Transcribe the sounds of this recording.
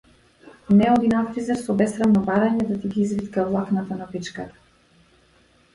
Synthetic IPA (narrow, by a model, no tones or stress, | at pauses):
nɛɔd̪inaft̪izɛɾsɔbɛsɾavnɔbaɾaɲɛd̪at̪iɡiizvit̪kavlˠaknat̪anapit͡ʃkat̪ḁ